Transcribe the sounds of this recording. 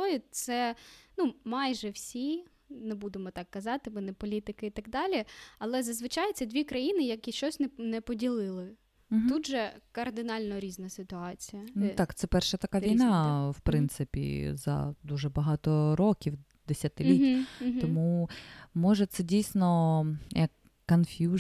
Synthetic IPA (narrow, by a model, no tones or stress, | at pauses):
ɔjʊt̪sɛnumɑjʒɛwsʲi | nɛbud̪ɪmɔt̪ɑkːɐzɑt̪ɪmɪnɛpɔlʲit̪ɪkɪit̪ɐɡd̪ɑlʲiɐlˠɛzɐzʋɪt͡ʃɑjɪt̪sɛd̪ʋʲikɾɐjinɪjɐkʲiʃt͡ʃɔsʲnɛnɛpɔdʲilˠɪlˠɪ | ɦ̪ud̪ʒɛkɐrd̪ɪnɑlʲnɔɾʲiznɐsɪt̪ʊɑt͡sʲijɐnt̪ɑkt̪sɛpɛrʃɛt̪ɐkɑʋʲijnɑwpɾɪnt̪sɪpʲḭzɐ̰d̪uʒɛbɐɦɑt̪ɔɾɔkʲiw | d̪esʲɐt̪ɪlʲit̪ʲɔmumɔʒɛt̪sɛdʲijsʲnɔjɐkː | ɐnfʲju